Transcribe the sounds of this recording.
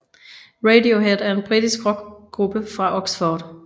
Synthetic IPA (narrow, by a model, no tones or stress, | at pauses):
ʁedioɦed̥æɐe̝nb̥ʁid̥isɡ̥ʁɔ̽ɡ̥ɡ̥ʁub̥əfʁɑ̈ʔɔ̽ɡ̥sfɔːd̥